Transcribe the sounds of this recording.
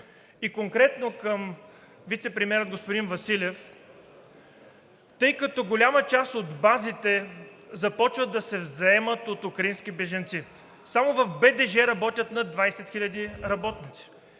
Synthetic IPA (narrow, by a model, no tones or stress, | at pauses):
ikoŋkɾɛt̪nokəm | vit̪sɛpɾimʲɛɾəd̪̚ɡospod̪invɐsilʲɛf | t̪ɤjkɐt̪ɔɡolʲamət͡ʃast̪od̪bazit̪ɛ | zɐpɔt͡ʃvəd̪ːɐsɛvzɐɛmət̪ot̪ukɾɐinskibɛʒɐnt̪si | samovɐfbɛd̪ɛʒɛɾɐbɔt̪ʲət̪nɐd̪vajsɛt̪xilʲɐd̪iɾɐbɔt̪nit̪si̥